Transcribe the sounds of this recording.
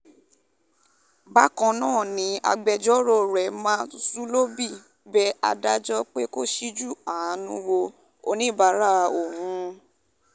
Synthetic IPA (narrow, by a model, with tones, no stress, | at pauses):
ba˦kɔ̃˧nãː˦˨nĩ˨˦a̰˧ɡ͡bɛ˧d͡ʒɔ˦ɾo˦˨ɾɛ˨mãː˦su˦lo˦bi˦˨ | bɛ˦a̰˧da˦d͡ʒɔ˦k͡pe˦ko˦ʃi˦d͡ʒu˦˨a˨ã˧˦nũ˦ɾo˧ | o˧nĩ˦˨ba˨˦ɾa˦˨˧o˨hũ˧˦